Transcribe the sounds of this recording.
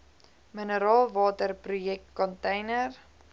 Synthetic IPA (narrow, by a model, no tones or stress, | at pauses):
mənəɾɑːlˠvɑːtərprujɛk̚tkɔntɛjnər